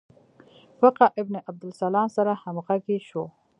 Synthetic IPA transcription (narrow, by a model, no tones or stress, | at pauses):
waqaʔɪbneʔab̚d̪ʊlsalɑːnsaɾahamɣakeʃo